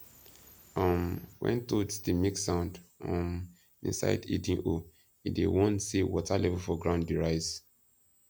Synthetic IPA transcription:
ʌ̃mwɛ̰̃ntoddimiksãʊ̃ndɔ̃m | ḭ̃nsa̰ɪdḭdĩŋʔo | idḛwɔ̃nsiwɔtalɛvulfɔɡɹãʊndiɹaɪz

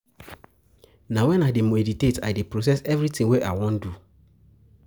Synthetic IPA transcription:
nãwɛ̃naɪdemoediteta̰depɾos̬ɛsɛvɾitĩŋweʔa̰ɪwɔ̃ndu

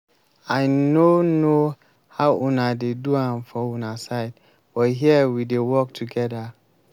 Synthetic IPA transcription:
aɪnono | haʊʔũnadeduãmfɔũnasaɪd | b̥ɔɦiɛwidewɔk̚tʰuɡɛda

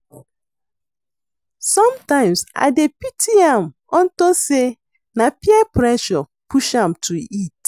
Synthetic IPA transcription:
sɔ̃mtãɪ̃msa̰ɪdepitʰiãm | ɔ̃ntose | napiɛpɹɛʃɔ | pʰuʃãmtʰuit

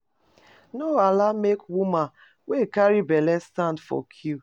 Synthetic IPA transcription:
noalamekwumãn | wekaɹibɛlɛstãndfɔ̰kʰju

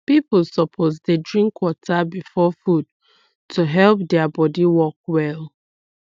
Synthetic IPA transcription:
piplsɔpʰozdedɹĩŋkʰːwɔtʰabifɔfud̚ | tʰuɦɛlp̚dɛabɔdiwɔk̚wɛl

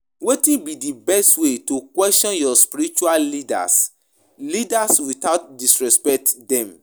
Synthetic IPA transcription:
wetĩnbidibɛstwetukwɛstɔ̃njɔspiɾit͡ʃuallida̰s | lidaswitaʊt̚disɹɛspɛk̚tdɛ̃m

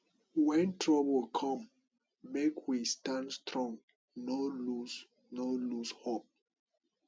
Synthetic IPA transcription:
wɛ̃ntɹɔbəlkʰɔ̃m | mekʰwistãndstɹɔ̃ŋ | nolus | nolushop̚

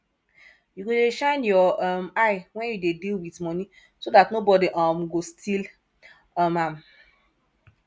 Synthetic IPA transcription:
juɡodeʃãnjɔmajwɛ̃njudedilwitmɔnĩ | sodatnobɔdiʔɔmɡostʰil | amam̩

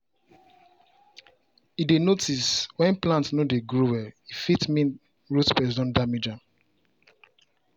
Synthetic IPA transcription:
idenotiswɛ̃nplãntnodeɡɹowɛifitmĩn | ɹotpɛsɔ̃ndamid͡ʒam

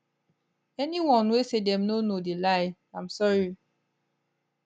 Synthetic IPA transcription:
ɛniwɔ̃nwesedɛmnonodelaɪ | ãmsɔɹi

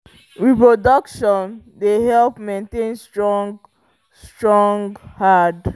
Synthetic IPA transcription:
ɹipɹodɔkʃɔ̃ndehɛlpmẽntẽnstɹɔŋɡ | sstɹɔ̃ŋɡhad

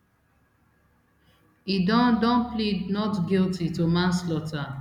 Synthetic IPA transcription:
idɔ̃ndɔ̃nplidnɔtɡiltitumãnslɔta

